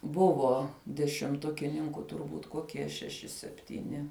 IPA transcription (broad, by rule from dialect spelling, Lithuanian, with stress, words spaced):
ˈbʊʋoː dʲɛʃʲɪmˈtʊkʲɪnʲɪŋkʊ tʊrˈbuːt koːˈkʲiɛ ʃʲɛˈʃʲɪ sʲɛpʲtʲiːˈnʲɪ